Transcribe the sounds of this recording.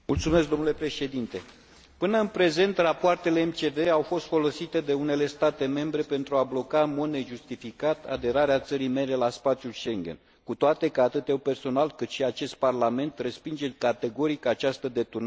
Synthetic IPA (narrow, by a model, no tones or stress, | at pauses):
mult̪sumesk̚d̪o̞mnule̞pɾe̞ʃe̞d̪int̪e̞ | pɨnəɨnpɾe̞ze̞nt̪rapoart̪e̞le̞ːmt͡ʃe̞ve̞awfo̞st̪fo̞lo̞sit̪e̞d̪e̞une̞le̞st̪at̪e̞me̞mbɾe̞pe̞nt̪ɾuablo̞kaɨnmo̞d̪neʒust̪ifikat̪a̰d̪e̞ɾaɾeat̪səɾime̞ɾe̞laspat̪siulʃe̞ŋɡʲḛn | kut̪oat̪e̞kəat̪ɨt̪ewpe̞rso̞nalkɨt̪ʃiat͡ʃe̞st̪̚parlame̞nt̪re̞spind͡ʒekat̪e̞ɡo̞ɾikat͡ʃast̪əd̪e̞t̪urn